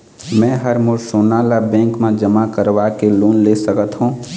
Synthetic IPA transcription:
mɛ̃ːɦəɾmʊɾsoːnaːlabɛ̃ːŋkmẽd͡ʒəmakəɾʋakeluːnleːsəkət̪ɦũː

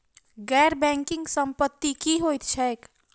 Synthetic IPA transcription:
ɡɛɾbɛ̃ŋkɪ̃ŋɡsəmpət̪ːikiɦojt̪t͡ʃʰɛek

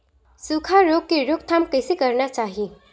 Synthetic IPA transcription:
sukʰaɾoːɡ̚keɾok̚t̪ʰaːmkəɪsekəɾnat͡ʃaːɦii

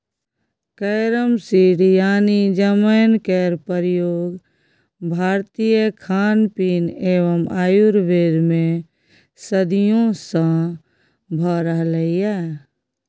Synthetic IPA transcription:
kəːɾəmsiɽjaːnid͡ʒəmənkɛːɾpəɾjoːɡ | bʱaːɾt̪ijəkʰaːnpineːʋəmaːjuɾʋeːɾmẽ | səd̪ijõsã | bʱəɾəɦləijɛ

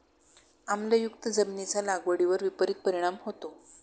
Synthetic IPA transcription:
amljajuk̚t̪əd͡zəmnit͡salaɡʋəɽiʋəɾʋipəɾit̪̚pəɾiɽ̃amɦot̪o

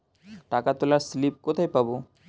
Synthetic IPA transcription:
ʈakat̪olaɾslip̚kot̪ʰajpabo

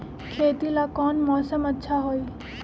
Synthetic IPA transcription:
kʰeːt̪ilakɔːnmɔːsəmətːʃʰaɦoiː

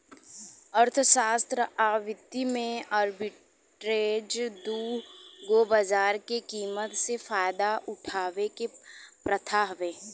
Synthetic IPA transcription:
əɾt̪ʰʃaːst̪ɾəʔaːʋɪt̪ːimẽaːɾbɪ | ʈɾeːd͡ʒd̪uːɡobəd͡ʒaːɾkekiːmət̪sefaːjd̪aʔʊʈʰaːʋekepɾət̪ʰaːɦʋeː

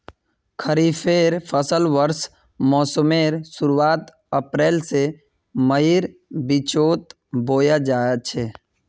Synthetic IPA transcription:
kʰəɾiːfʰeːɾpʰəsəlʋəɾs | mɔːsəmeːɾsʊɾuwaːt̪ | əpɾeːlse | məiɾbit͡ʃoːt̪̚ | boːjad͡ʒaːjat͡ʃʰeː

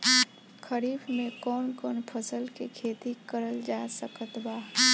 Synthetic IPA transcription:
kʰəɾiːbmẽkɔːnkɔːnpʰəsəlkekʰeːt̪ikəɾəld͡ʒasəkət̪baː

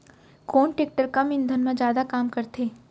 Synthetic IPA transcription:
koːnʈeːk̚ʈəɾkɐmɪ̃nd̪ʱənmãd͡ʒjaːd̪akaːmkɐɾt̪ʰeː

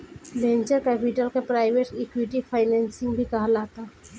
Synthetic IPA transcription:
lẽːnt͡ʃəɾkɛːpɪʈəlkepɾaːɪʋeʈɛkwɪʈipʰaːɪnɛ̃ːnsɪ̃ŋɡbʱikɐɦlaːt̪aː

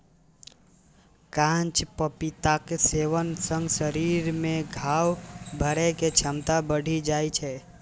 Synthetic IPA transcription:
kãt͡ʃpəpit̪akeseʋənsə̃ŋɡsəɾiɾmẽɡʱawbʱəɾɛket͡ʃʰəmt̪abəɽ̤ʱid͡ʒajt͡ʃʰɛ

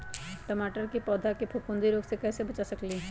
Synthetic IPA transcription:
ʈəmaːʈəɾkipɔːd̪ʱakipʰopʊ̃nd̪iɾoːɡsekɛːsebɐt͡ʃasɐkli

